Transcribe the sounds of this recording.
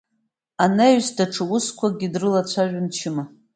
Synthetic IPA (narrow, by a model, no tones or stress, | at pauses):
anaɥsdaʈ͡ʂʰɨʊskʷʰaɡʲidrɨlat͡ɕʷʰaʒʷᶣamt͡ʃʰɪma